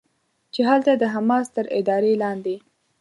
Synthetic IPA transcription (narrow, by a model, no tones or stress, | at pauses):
t͡ʃeɦalt̪ad̪əɦamɑst̪əɾɪ̰d̪ɑɾelɑnd̪e